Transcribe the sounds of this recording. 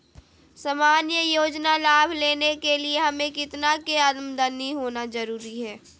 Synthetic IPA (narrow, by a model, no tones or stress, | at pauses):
sɐmaːnjəjoːd͡ʒnalaːbʱleːnekelieɦɐmẽkɪt̪nakeəd̪md̪əniɦoːnazɐɾuːɾiɦɛː